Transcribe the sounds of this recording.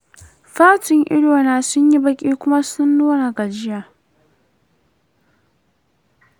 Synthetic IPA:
ɸaː˦tɪ˨ŋʔɪ̰˦ɽoː˨naː˨sʊ˦ɲji˦bɐ˦kʲʼiː˦kʷʊ˦ma˦sʊ˦nːuː˦na˨ɡa˨d͡ʒɪ˦jaː˨

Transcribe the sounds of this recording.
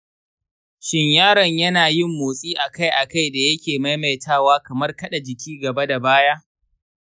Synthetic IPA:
ʃɪ˦ɲjaː˦ɾɐ˨ɲjɐ˦naː˨jɪ˦mːoː˨sʼiː˦ʔa˨ka˦jʔa˨ka˦˨jda˨jɐ˦kʲeː˨ma˦jma˨jtʰaː˦˨waː˦kɐ˨mɐ˦rkɐ˦ɗa˨d͡ʒɪ˨kʲʰiː˦ɡɐ˨ba˦da˨baː˦jaː˦

